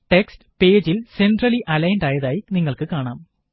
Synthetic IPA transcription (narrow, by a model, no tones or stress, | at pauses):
ʈe̞ksʈɨ̥pe̞ːd͡ʑilse̞nɖrɐliʔɐlɐjnɖaːjɐðaːjiniŋːɐɭkɨkaːɳaːm